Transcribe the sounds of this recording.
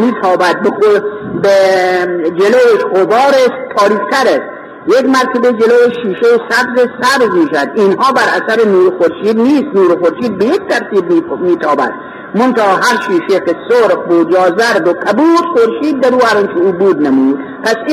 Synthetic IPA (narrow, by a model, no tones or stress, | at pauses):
miːt̪ʰɒːbæd̪̚beobe | d͡ʒeloːeʃɣobɒːɾest̪ʰɒːɾiːkt̪ʰæɾest̪ | jekmæɾk̪ʰebed͡ʒeloːweʃiːʃejesæbzesæbzmiːʃæd̪inhɒːbæɾʔæ̰sæɾenuːɾxoɾʃiːd̪niːst̪nuːɾxoɾʃiːd̪̚bejek̚t̪ʰæɾt̪ʰiːbmiːt̪ʰɒːbæ̰d̪̥̚ | mont̪æːɦæɾʃiːʃekesoɾqbod͡ʒɒːzæɾd̪okʰæbuːt̪xoɾʃiːd̪ːæɾuːæɾɒnt͡ʃʰeuːbuːd̪nemuːd̪̥ | pʰæs